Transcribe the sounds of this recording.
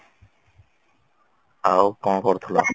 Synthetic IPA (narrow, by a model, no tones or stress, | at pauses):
awkɔ̃kɔɾt̪ʰola